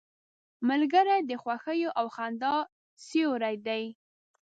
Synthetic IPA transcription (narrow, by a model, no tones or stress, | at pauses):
malɡəɾajd̪əxwaxəjoʔawxand̪ɑ | sioɾajd̪aj